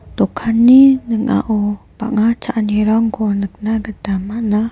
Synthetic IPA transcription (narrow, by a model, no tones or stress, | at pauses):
t̪ukʰaninəŋa̰ʔupa̰ʔŋat͡ʃaʔniɾɔŋkonəknaɡəd̪̥amana